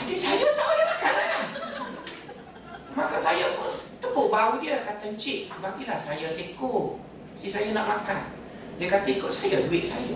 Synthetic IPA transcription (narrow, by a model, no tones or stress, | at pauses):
adisajət̪audəmakanaʔlah | makəsajəkut̪əbubaudəkat̪ənt͡ʃiʔbaɡilahsajəsiku | sisajənaʔmakan | dəkat̪əikoʔsajəduwɪʔ̚sa̰jə